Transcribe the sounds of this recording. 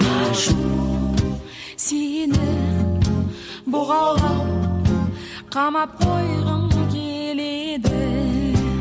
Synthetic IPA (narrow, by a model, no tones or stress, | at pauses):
ʃu | senɪ | bʊʁɑlˠʁɑw | qʰɑmɑp̚qʰojʁəŋkʲʰele̞d̪ɪ